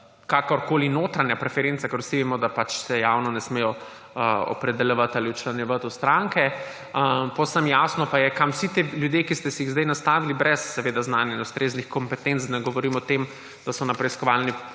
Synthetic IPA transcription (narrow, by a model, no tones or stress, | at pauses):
kakɔɾkoːlinoːt̪ɾanjapɾɛfɛɾent̪sakɛɾwsiʋemɔd̪apat͡ʃsɛjawnɔnɛsmeːjɔ | əɔ̰pɾɛd̪ɛljɛʋət̪aliut͡ʃlɐnjɛʋət̪ust̪ɾaŋkɛ | pɔwsəmjaːsnɔpajɛkamwsit̪eljud̪jeːkist̪ɛsɛjiɣzd̪ɛjnast̪aːʋilibɾɛsːɛʋeːd̪aznaːnjainust̪ɾeːznixkɔmpɛt̪ent̪sd̪nɛɡɔʋɔɾiːmɔt̪em | d̪̥asɔnapɾɛiskɔʋaːlni